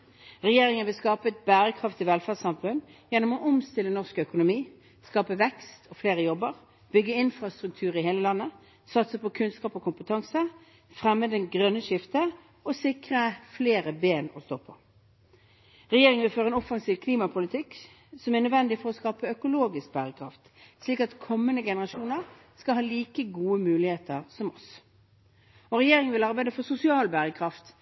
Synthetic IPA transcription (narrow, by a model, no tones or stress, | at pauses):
ʁɛjeːʁɪŋənʋɪlskɑːpəɛt̪̚bæːʁəkʰʁɑft̪ɪʋɛlfæʁsɑmfʉnjɛnːɔmɔʔɔmst̪ɪlːənɔʁskœkʊnʊmiː | skɑːpəʋɛkst̪ʰɔfleːʁəjɔbːəʁ | b̥ʏɡːəɪnfʁɑst̪ʁʉk̚t̪ʰʉːʁɪɦeːləlɑnːə | sɑt̪səpɔkʰʉnskɑːpɔkʊmpət̪ʰɑŋsə | fʁɛmːəd̪ɛnɡʁœnːəʂɪft̪ə | ɔsɪkʁəfleːʁəbeːnɔst̪oːpʰɔ | ʁɛjeːʁɪŋəʋɪlføːʁəɛnɔfɑŋsiːʋkʰliːmɑpʰʊlɪt̪ʰɪk | sɔmæʁnœd̪ʋɛnd̪ɪfɔʁɔskɑːpəœkʊloːɡɪsk̚bæːʁəkʰɾʁɑft̪ | sliːkɑt̪kʰɔmːənəɡɛnəʁɑʂuːnəʁ | skɑlhɑːliːkəɡuːəmʉːlɪheːt̪əʁsɔmɔs | ɔʁɛjeːʁɪŋənʋɪlɑʁbæɪd̪əfɔsʊsɪɑːlbæːʁəkʰʁɑft̪